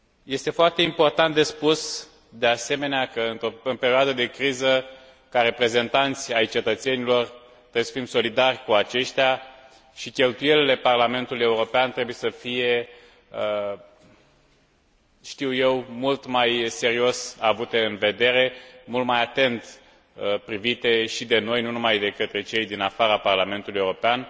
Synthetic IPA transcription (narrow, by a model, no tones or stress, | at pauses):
je̞st̪e̞foart̪eimpo̞rt̪ant̪̚d̪e̞spus | d̪e̞ase̞me̞neakəɨnt̪ɾo̞ɨnpeɾioad̪əd̪e̞kɾizə | kaɾe̞pɾe̞ze̞nt̪ant̪sʲajt͡ʃe̞t̪ət̪se̞nilo̞r | t̪ɾebujesə̥fimso̞lid̪arʲkuat͡ʃe̞ʃt̪ʲja | ʃikʲe̞lt̪uje̞lile̞parlame̞nt̪uluje̞uɾo̞peant̪ɾe̞buje̞səfije̞ | ʃt̪iwje̞wmult̪majse̞ɾio̞savut̪e̞ɨnve̞d̪e̞ɾe̞mult̪majat̪e̞nt̪ | pɾivit̪e̞ʃid̪e̞no̞jnunumajd̪e̞kət̪ɾe̞t͡ʃe̞jd̪inafaɾaparlame̞nt̪ulujeuɾo̞pean